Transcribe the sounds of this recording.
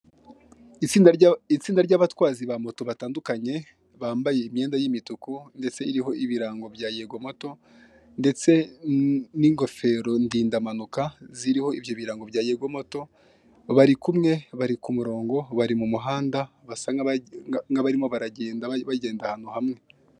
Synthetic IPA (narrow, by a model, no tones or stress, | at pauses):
it͡siːndait͡siːndaɾɟaβatwaːziβamo̞to̞βataːndukaɲe̞ | βaːmbaje̞imje̞ːndajimitukunde̞t͡se̞iɾiɦo̞ʔiβiɾaːŋɡo̞bjaːjeɡo̞mo̞to̞ | nde̞t͡se̞ | niːŋɡo̞fe̞ɾo̞ndiːndamanukaziɾiho̞ivjoβiɾaːŋɡo̞βjaːjeɡo̞mo̞to̞ | βaɾikumŋe̞βaɾikumuɾo̞ːŋɡo̞βaɾimumuɦaːndaβasaŋ | ŋɡaβaɾimo̞βaɾaɟeːndaβaɟe̞ːndahano̞hamŋe̞